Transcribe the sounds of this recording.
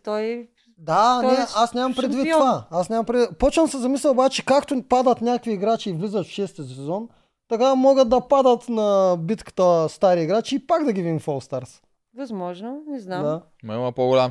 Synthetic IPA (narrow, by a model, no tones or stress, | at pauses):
t̪oj | d̪anɛasnʲamɐmpɾɛd̪vit̪ːovaasnʲamɐmpɾɛd̪vipot͡ʃ̪əmsɛzɐmislʲɛlˠobat͡ʃɛkakt̪opad̪ɐt̪nʲakkviːɡɾat͡ʃiːvlizɐt̪fʃɛst̪izɐsɛzɔn | t̪ɐkamoɡəd̪̚d̪ɐpad̪ɐt̪nɐbit̪kə̥t̪əst̪aɾiiɡɾat͡ʃiːpaɡd̪ɐɡʲiviimfolˠst̪aɾs | vɐzmɔʒnonɛznad̪a | mɐimɐpoɡolʲam